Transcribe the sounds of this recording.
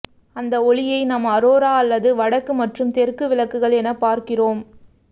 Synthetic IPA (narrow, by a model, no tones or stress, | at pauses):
ɐnd̪ɐɔɭɪjɐɪnɐmɐɾoːɾaːɐlːɐðɯʋɐɽɐkːɯmɐʈrɯmt̪ɛɾkɯʋɪɭɐkːɯɣɐɭɛnɐpaːɾkɪroːm